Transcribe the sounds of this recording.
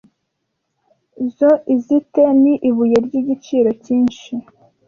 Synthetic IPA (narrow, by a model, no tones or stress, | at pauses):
zoʔizite̞niʔiβuje̞ɾɟiɟit͡ʃiːɾo̞ciːnʃi